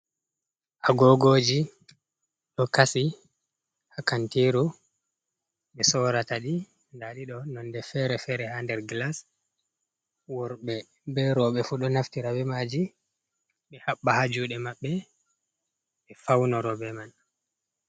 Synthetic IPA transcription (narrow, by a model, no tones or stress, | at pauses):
ʔaɡɔɡoːd͡ʒi | ɗɔkasi | hakantiɾu | ɓɛsɔɾataɗi | ndaɗiɗɔnɔndɛfɛɾɛfɛɾɛhandɛɾɡlas | wɔɾɓɛ | bɛɾɔɓɛfuɗɔnaftiɾawɛmad͡ʒi | ɓɛhaɓːahad͡ʒuɗɛmaɓːɛ | ɓɛfawnɔɾɔɓɛman